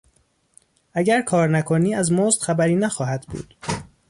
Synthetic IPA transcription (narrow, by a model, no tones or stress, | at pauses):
ʔæɟæɾkʰɒːɾnækʰoniːæzmoːzt̪xæbæɾiːnæxɒːɦæd̪̥bṵːd̪̥